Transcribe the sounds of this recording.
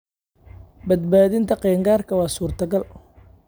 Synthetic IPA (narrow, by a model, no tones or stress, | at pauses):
bɐd̪̚baːðɪnt̪ʰɐqɛːŋɡaːrkʰɐwɑːsuːrt̪ʰɐɡɐl